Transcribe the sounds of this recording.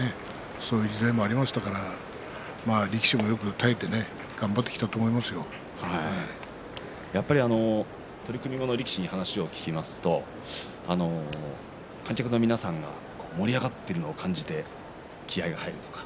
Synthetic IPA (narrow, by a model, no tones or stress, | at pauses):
e | so̞ːjɯ̟d͡ʑid̪aimo̞aɾʲimaɕi̥t̪akaɾa | maːɾʲekʲi̥ɕimo̞jo̞kɯ̟t̪aet̪ːe̞ne̞ | ɡ̥ãmbat̪ːe̞kʲi̥t̪at̪oːmo̞imasɨjo̞ | hai | japːaɾʲiano̞ | t̪o̞ɾʲikɯ̟mʲiɡo̞no̞ɾʲikʲi̥ɕiɲ̟ihanaɕio̞kʲi̥kʲimasɨ̥t̪o̞ | ano̞ | kʰãŋ̟kʲakɯno̞mʲinasãŋɡa̰ | ko̞ːmo̞ɾʲiaɡat̪ːeɾɯ̟no̞ːkʰãɲ̟d͡ʑit̪e̞ | kʲʰiaiɡahaiɾɯ̟t̪o̞̥kḁ